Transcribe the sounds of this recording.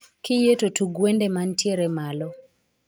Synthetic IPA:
kɪjetotuɡwendemantjeɾɛmalɔ

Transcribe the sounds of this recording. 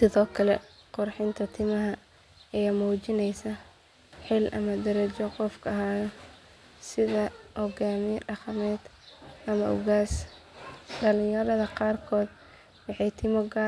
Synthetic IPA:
sɪðɔːkʰɐlɛ | qʊrħɪnt̪ʰɐt̪ʰɪmɐɦɐ | ɛjamuːt͡ʃɪnɛjsɐ | ħɪlʔɐ̰mɐd̪ɐɾɐt͡ʃɔqɔfkʰɐɐɦaːjɔ | sɪðɐhɔɡaːmɪjɖɑqɑmɛːd̪ | ʔɐmɐʔɔɣaːs | ɖɐlɪ̃jɐɾɐðɐqɑːrkʰɔːd̪ | wɑħɑjt̪ʰɪmɔɡa

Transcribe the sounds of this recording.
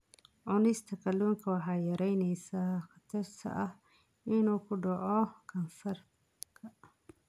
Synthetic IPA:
ʕʊnɪst̪ʰɐkʰɐluːŋkʰɐwɑħɑːjɐɾɛjnɛjsaːxɑt̪ʰɐrt̪ʰɐ̰ʔɐh | ɪnuːkʰʊɖɑʕɔkʰɐnfɐr | kʰɐ

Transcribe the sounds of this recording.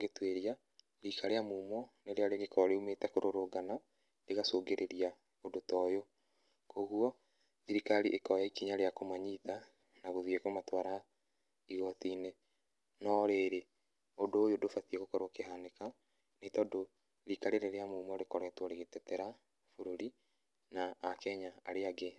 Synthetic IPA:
ɡetweɾia | ɾikaɾeamuːmɔneɾeaɾjɣekɔɾɔɾeumetɛkoɾoɾoɡana | leɣasoːɡeɾʔeɾia | odotɔjo | koɣuɔ | iɾikaɾiʔekɔjaikiɲaɾeakomaɲita | naɣoðiekomatwaːɾa | iɣɔtine | nɔɾeːɾe | odoːjodofatieɣokɔɾwakehaneka | netaodo | ɾikaɾeɾeɾeamuːmɔɾekɔɾɛtwɔɾeɣetɛtɛɾa | foɾoɾi | naːkɛɲa̰ːɾeaɡe

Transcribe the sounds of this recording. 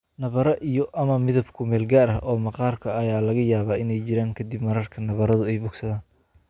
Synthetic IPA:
nɐβɐɾɐʔijɔʔɐmɐmɪðɐbkʰʊmɛːlɡaːɾɐɦʔɔːmɑqɑːrkʰɐɐjaːlɐɣɐjaːβaːɪnɛjt͡ʃɪɾaːŋkʰɐd̪ɪbmɐɾɐrkʰɐnɐβɐɾɐðʊɛjbʊɡsɐðaːn

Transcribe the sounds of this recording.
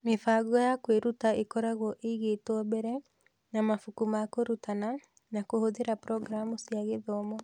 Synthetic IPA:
mefaːɣuajakweɾutaekɔɾaɣɔʔeiɣetwɔbɛɾɛ | namafukumaːkoɾutana | nakohoðeɾapɾɔɡɾamusiaɣeðɔmɔ

